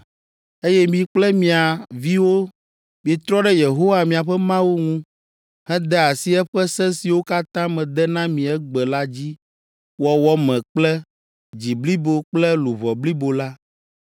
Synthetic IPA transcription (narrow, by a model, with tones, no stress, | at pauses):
e˦jɛ˦mĩ˨k͡plɛ˦mĩ˨a˨vi˦wo˦ | mi˨i˨t̪ɾɔ˦ɖɛ˦je˨ɦo˦wa˨mĩ˨a˨ɸɛ˦mã˦wu˦ŋũ˦ | hɛ̃˦d̪ɛ˦a˨si˦ɛ˦ɸɛ˦sɛ̃˦si˨wo˦ka˦t̪ã˦mɛ̃˨d̪ɛ˦nã˦mĩ˨ɛ˦ɡ͡bɛ˨la˦d͡ʑi˦ | wɔ˨wɔ˦mɛ̃˨k͡plɛ˦ | d͡ʑi˨bli˦bo˦k͡plɛ˦lu˨vɔ˨bli˦bo˨la˦